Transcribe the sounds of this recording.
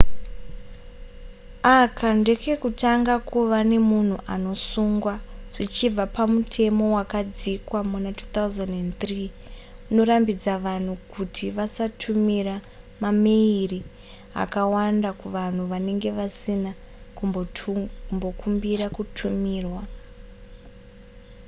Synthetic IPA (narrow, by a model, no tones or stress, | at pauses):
akʰande̞ke̞kutaŋɡakʰuʋane̞mun̤uʔano̞suŋɡwaʐ̥it͡ʃib͡vapamutʰe̞mo̞wakad͡zikwamunatu̥t̪auzanent̪riː | uno̞ɾambid͡zaʋan̤ukutʰiʋasatʰumira | mameiri | ɦa̰kawandakuʋan̤uʋane̞ŋɡe̞ʋasina | ku | mbo̞kumbiɾakutʰumiːrwa